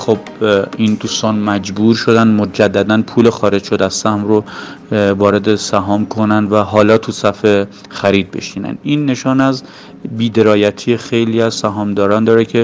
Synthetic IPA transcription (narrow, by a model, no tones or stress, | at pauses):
χob | ind̪uːst̪ɒːnmæd͡ʒbuːɾʃod̪ænd̪mod͡ʒæd̪ːæd̪ænpʰuːlexɒːɾe̞d͡ʒʃod̪æzsæhmɾo | vɒːɾe̞d̪esæɦɒːmkʰo̞nænd̪væɦɒːlɒːt̪ʰusæfe | xæɾiːd̪̚be̞̰ʃiːnæ̰nd̪ʔiːnːe̞ʃɒːnæz | biːd̪e̞ɾɒːjæt̪ʰiːexe̞jliːæzsæɦɒːmd̪ɒːɾɒːnd̪ɒːɾecʰe̞